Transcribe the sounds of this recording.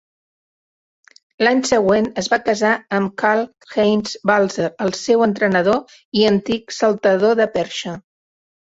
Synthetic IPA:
laɲsəɣwenəzβakəzaəmkalˠ | xejnzbalˠzəɾəlˠsewənt̪ɾənəð̞o | iənt̪iksəlˠt̪əðoðəpɛɾʃə

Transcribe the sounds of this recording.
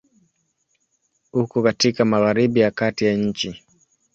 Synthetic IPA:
hukɔkatikamaɣaɾiɓijakatijaɲ̩t͡ʃi

